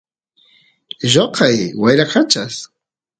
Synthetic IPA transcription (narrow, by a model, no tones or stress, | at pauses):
ʒoqʰajwajɾaqat͡ʃas